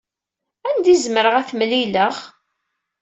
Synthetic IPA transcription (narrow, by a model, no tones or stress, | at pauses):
ænd̪izməɾəʁæθmliləʁ